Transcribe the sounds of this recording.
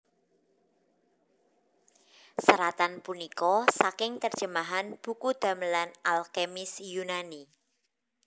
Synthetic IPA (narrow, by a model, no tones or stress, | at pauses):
səɾat̪anpunikɔsakɪŋt̪ərd̥ʒ̥ə̤maɦanb̥ukud̪̥a̤mlanalkemɪsjunani